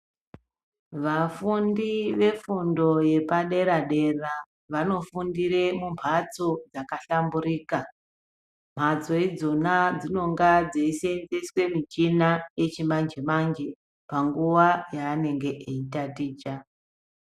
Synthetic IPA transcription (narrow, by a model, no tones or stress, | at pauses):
ʋafundiʋe̞fundo̞je̞paɗe̞ɾaɗe̞ra | ʋano̞fundiɾe̞mumpʰat͡sod͡zakaɬambuɾiːka | m̤at͡so̞id͡zo̞nad͡zino̞ŋɡad͡zeisend͡zeswe̞mit͡ʃinaje̞t͡ʃimand͡ʒemand͡ʒe̞ | paŋɡuʋajaːne̞ŋɡe̞ʔeitatiːt͡ʃa